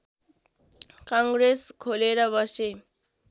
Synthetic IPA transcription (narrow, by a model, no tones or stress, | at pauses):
kaŋɡɾeskʰoleɾʌbʌse